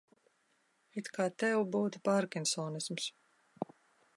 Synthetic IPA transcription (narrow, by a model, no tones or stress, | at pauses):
it̪kaːt̪ɛwbuːt̪i̥paɾkinsɔːnisms